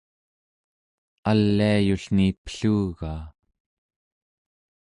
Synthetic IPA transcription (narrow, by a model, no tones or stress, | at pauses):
alːiajuɬnipə̥ɬuːɣaː